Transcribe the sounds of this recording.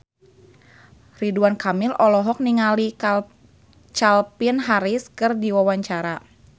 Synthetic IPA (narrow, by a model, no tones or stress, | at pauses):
riduankamɪlɔlɔɦɔk̚niŋali | t͡ʃalpinɦaɾiskɨrdiwawaɲt͡ʃaɾa